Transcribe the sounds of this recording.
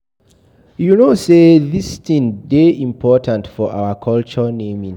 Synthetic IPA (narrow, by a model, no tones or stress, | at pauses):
junoseðisθĩŋdeĩmpʰɔtʰãntfɔʔa̰wəkʰɔlt͡ʃənẽmĩŋ